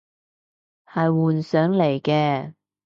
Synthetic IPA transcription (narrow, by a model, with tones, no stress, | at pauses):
hɐ˨jwuː˨nsœː˨˥ŋle˨˩jkɛː˧